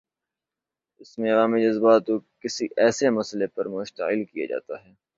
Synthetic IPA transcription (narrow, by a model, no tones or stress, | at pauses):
ɪsmẽɐʋaːmid͡ʒɐzbaːt̪okɪsiʔɛːsemɐslepɐɾmʊʃt̪əɪlkija̰d͡ʒa̰ːt̪aɦɛː